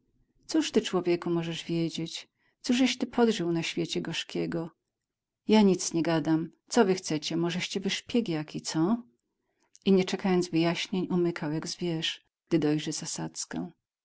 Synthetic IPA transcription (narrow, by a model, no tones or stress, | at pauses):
t̪suʂt̪ɘt͡ʂwɔvʲjɛkumɔʐɛʐvʲjɛd͡ʑet͡ɕ | t̪suʐɛɕt̪ɘpʰɔd̪ʐɘwnaɕfʲjet͡ɕɛɡɔʂkʲɛɡɔ | jaɲit̪sɲɛɡad̪amt̪sɔvɘxt̪sɛt͡ɕɛmɔʐɛɕt͡ɕɛvɘʂpʲjɛɡʲjakʲit̪sɔ | iɲɛt͡ʂɛkajɔnd̪zvɘjaɕɲeɲumɘkʰawjaɡzvʲjɛʂ | ɡ̥̚d̪ɘd̪ɔjʐɛz̥asat̪skɛ̰w̃